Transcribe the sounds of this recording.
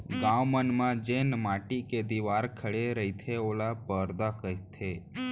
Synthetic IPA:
ɡãʋmənmãd͡ʒenmaʈiked̪iʋaɾkʰəɽeɾəit̪ʰeolapəɾd̪akəɦit̪ʰe

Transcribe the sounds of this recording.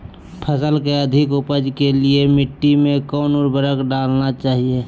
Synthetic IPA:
pʰəsəlkeəd̪ʱɪkʊpəd͡ʒkeliemɪʈːimẽkɔːnuɾbʱəɾəkɖaːlnat͡ʃaːɦie

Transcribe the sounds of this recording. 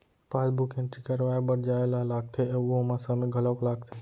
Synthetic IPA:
palbukẽnʈɾikəɾʋaebəɽd͡ʒaeləɦlaɡ̚t̪ʰeuɦmasəmeɡʱəlɔklaːɡ̚t̪ʰe

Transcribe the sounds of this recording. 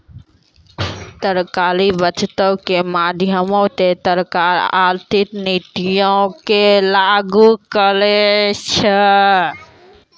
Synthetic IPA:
t̪əɾkaːlibət͡ʃt̪əwkemaːd̪ʱjəmõt̪et̪əɾkaːɾa̰ɾt̪ɪknit̪ijõkelaɡukəlet͡ʃʰə

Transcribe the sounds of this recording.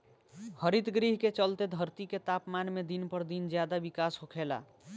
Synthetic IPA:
həɾit̪ɡɾiɦket͡ʃəlt̪ed̪ʱəɾt̪iket̪apmanmed̪inpəɾd̪ind͡ʒjad̪abikasɦokʰela̰

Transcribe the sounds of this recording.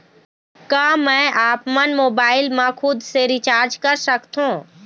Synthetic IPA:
kaːmɛ̃ʔaːpmənmoːbaːɪlmãkʰʊd̪seɾɪt͡ʃaːɾd͡ʒkəɾsəkt̪ɦũː

